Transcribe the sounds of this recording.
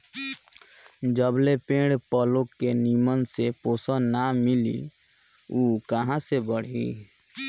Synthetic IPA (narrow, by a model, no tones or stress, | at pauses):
d͡ʒəblepẽɽpəlokːenimənseposənnamilḭ | ukəɦãsebəɽ̤ḭ